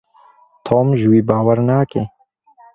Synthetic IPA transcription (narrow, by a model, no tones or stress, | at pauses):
t̪ʰoːmʒwiːbaːwɐɾnaːkeː